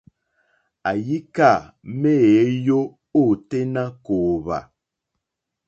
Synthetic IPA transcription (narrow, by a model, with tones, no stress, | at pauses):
a˨ji˦ka˦˨me˦˨˦jo˦ | o˦˨te˦na˦koː˨βa̰˨